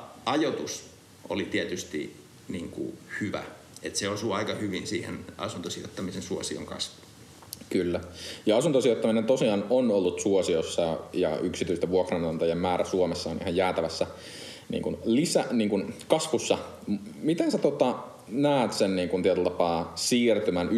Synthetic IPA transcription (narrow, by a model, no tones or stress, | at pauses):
ɑjot̪us | o̰lit̪iet̪yst̪ḭ | niːŋkṵhyʋæ̰ | et̪seosuɑikɑhyʋinsiːhḛnɑ̰sunt̪osio̰t̪ːɑmisensuosio̰ŋkɑ̰sʋuu̥ | kylːæjɑɑsunt̪osiot̪ːɑminent̪osiɑːnonolːut̪suosiosːɑjɑ̰yksit̪yist̪æʋuokrɑnɑnt̪ɑjemmæːɾæsuomesːɑːnʔḭhɑjjæːt̪æʋæsːæ | nḭːŋkunlisæniːŋkunkɑsʋusːɑ | mit̪ensæt̪ot̪ɑ | næːt̪senniːŋkunt̪iæt̪ylt̪ɑpɑːsiːrt̪ymænʔ